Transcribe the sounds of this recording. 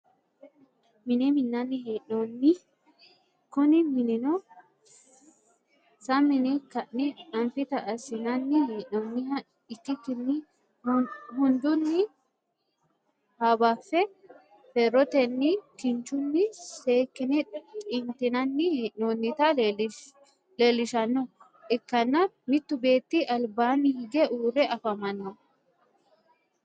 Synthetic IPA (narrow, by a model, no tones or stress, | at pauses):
mɪnɛmɪnːɐnːɪheːʔnonːɪ | kʊnɪmɪnɛnɔ | sɐmːɪnɪkɐʔːɪɐnfɪt̪ɐʔɐsɪnɐnːɪheːʔnɔnːɪhɐ | ɪt̪ːɪk̪ːɪnːɪ | hʊnd̪ʊnːɪ | haːbaːfːɛ | fɛɾːɔt̪ɛnːɪkɪnt͡ʃʊnːɪseːkːɪnɛkʼɪnt̪ɪnɐnːɪnonːɪt̪ɐ | leːlːɪʃɐnːɔ | ɛkːɐnːɐ | mɪt̪ːʊbe̞ːt̪ːɪʔɐlbaːnɪhɪɡɛʔuːɾɛʔɐfɐmɐnːɔ